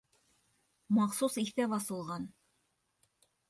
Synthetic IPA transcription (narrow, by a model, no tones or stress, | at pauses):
mɑχsusiθtæβɑsɤ̆lˠʁɑn